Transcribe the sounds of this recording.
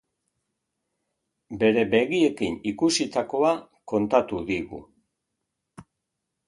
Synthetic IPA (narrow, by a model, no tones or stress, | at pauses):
be̞ɾe̞be̞ɣie̞kinikusit̪ako̞a | ko̞nt̪at̪uðiɣṵ